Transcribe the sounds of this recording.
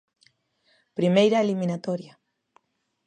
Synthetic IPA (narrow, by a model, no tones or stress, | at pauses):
pɾimejɾaelimĩnat̪oɾja